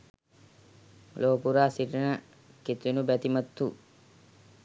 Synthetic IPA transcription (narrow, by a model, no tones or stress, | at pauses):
loːpuɾaːsiʈənə | ket̪unubæt̪imɐt̪ːu